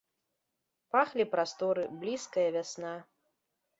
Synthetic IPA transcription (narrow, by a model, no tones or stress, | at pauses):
paxlʲipɾast̪ɔɾɨblʲiskɐjɐvʲasna